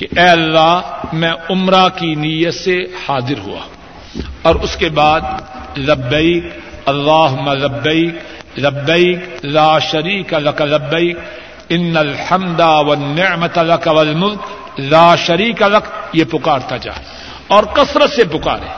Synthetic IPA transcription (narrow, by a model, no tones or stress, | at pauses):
keʔɛːɐlːaːmɛ̃ʊmɾakinijət̪sehaːd̪ɪɾɦṵa̰ː | ɔːɾʊskebaːd̪̚lɐbːeɪkɐlːaːɦʊmːalɐbːeiklɐbːɐiklaːʃɐɾiːkalɐkalɐbːeik | ɪnːɐlħɐmd̪awɐnːɪʕmɐt̪alɐkawɐlmʊðk | laːʃɐɾiːkalɐkjepʊkaːɾt̪ad͡ʒa̰ːe | ɔːɾqɐsɾət̪sepʊka̰ːɾɛ̰ː